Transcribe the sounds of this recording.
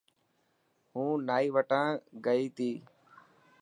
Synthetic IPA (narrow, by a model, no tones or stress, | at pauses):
hũːnaːiːʋəʈãːɡəiːt̪ʰiː